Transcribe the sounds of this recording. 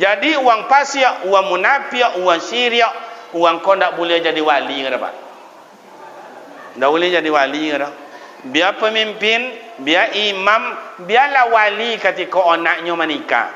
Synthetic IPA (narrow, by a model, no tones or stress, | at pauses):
d͡ʒadiuwaŋpasiɔʔuwaŋmunapiɔʔuwaŋsiɾiɔʔuwaŋkɔndaʔbuliad͡ʒadiwaliŋəɾɔba̰ʔ | ndaʔbulid͡ʒadiwaliŋəɾɔ | biapəmimpin | biaimambialahwalikət̪ikɔːnaʔɲɔmanika̰